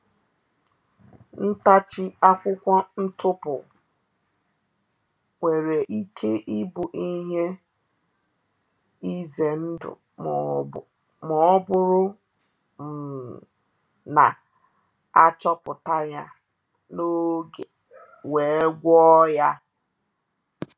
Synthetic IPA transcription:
n̩˦ta˦t͡ʃɪ˦a˦kʷʊ˦kʷɔ˦n̩˦tʊ˦pʊ̰˨ | ŋʷe˨ɾe˨ʔi˦kʰe˦ʔi˦bʊ˨ʔi˦ɦe˦ | i˦ze˨n̩˦dʊ̰˨ | mɔ˨˦bʊ˦ɾʊ˦ | m̩˨ | na̰˨ | a˦t͡ʃɔ˦pʊ˨ta˦ja˦ | no˦ɡe˨ | we˨e˦ɡʷɔ˦ja˦

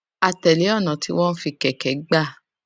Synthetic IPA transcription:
a˨˧tɛ˨le˨˦ɔ˦˨nã˨ti˦w̃ɔ̃˦n̩˦fi˧kɛ˨kɛ˨˦ɡ͡ba˦˨

